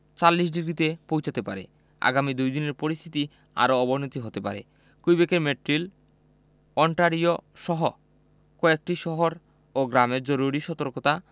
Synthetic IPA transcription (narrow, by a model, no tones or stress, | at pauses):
t͡ɕalːiʃ̬ɖiɡɾit̪epowt͡ɕʰat̪epa̰ɾḛ | a̰ɡamid̪ujd̪ineɾpoɾist̪ʰit̪i | a̰ɾoɔbonot̪iɦot̪epa̰ɾḛ | kujbekeɾmeʈɾil | ɔɳʈaɾioʃɔɦo | kɔek̚ʈiʃɔɦoɾ | oɡɾameɾd͡ʑɔɾuɾiʃɔt̪oɾkot̪a